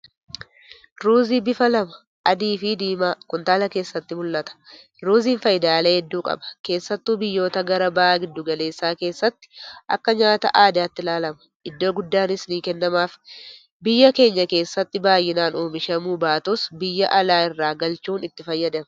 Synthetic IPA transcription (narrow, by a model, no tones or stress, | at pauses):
ɾuːziːbɪfɐlɐmɐ̥ | ʔɐd̪iːfiːd̪iːmaːkʊnt̪aːlɐke̞ːsːɐt̪ːɪmʊlːɐt̪ɐ̥ | ɾuːziːnfɐjɪd̪aːleːhɛd̪ːuːkʼɐ̰bɐ̥ke̞ːsːɐt̪ːuːbɪjːo̞ːt̪ɐɡɐɾɐbɐaːɡɪd̪ːʊɡɐle̞ːsːaːke̞ːsːɐt̪ːɪ̥ʔɐ̰kːɐɲaːt̪ɐ̰ʔaːd̪aːt̪ːɪlaːlɐmɐ̥ | ɪd̪ːo̞ːɡʊd̪ːaːnɪsniːkɛnːɐmaːf | bɪjːɐke̞ːɲːɐke̞ːsːɐt̪ːɪbaːjːɪnaːnoːmɪʃɐmuːbaːt̪ɔsbɪjːɐʔɐlaːɪrːaːɡɐlt͡ʃuːnɪt̪ːɪfɐjːɐd̪ɐm